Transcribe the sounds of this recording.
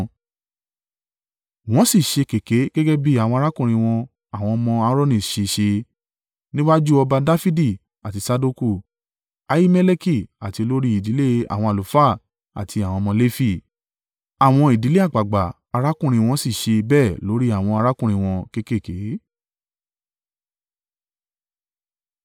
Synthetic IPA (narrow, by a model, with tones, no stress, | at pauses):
w̃ɔ̃˦si˦˨ʃe˧ke˨ke˨˦ɡɛ˦ɡɛ˦bi˦a˨w̃ɔ̃˧a˧ɾa˦kũ˦˨ɾ̃ĩ˧w̃ɔ̃˧ | a˨w̃ɔ̃˧mɔ̃˧a˧˦ɾɔ˦nĩ˧˨ʃe˧˨ʃe˧ | nĩ˦wa˦d͡ʒu˦ɔ˧ba˧da˦fi˦di˦˨ | a˨ti˨˧sa˧˦do˦ku˦˨ | a˧ji˦mɛ˦le˦ki˦˨a˨ti˧lo˦ɾi˦i˦˨di˨˦le˦a̰˨w̃ɔ̃˧a˨lu˨fa˦˨ | a̰˨tʰi˧a˨w̃ɔ̃˧mɔ̃˧le˦fi˦˨ | a˨w̃ɔ̃˧i˨di˨˦le˦a˦˨ɡ͡ba˨ɡ͡ba˨ | a˧ɾa˦kũ˦˨ɾ̃ĩ˧w̃ɔ̃˧si˦˨ʃe˧bɛː˦˨lo˨˦ɾi˦a˦˨w̃ɔ̃˧a˧ɾa˦kũ˦˨ɾ̃ĩ˧w̃ɔ̃˧ke˦ke˦˨ke˨˦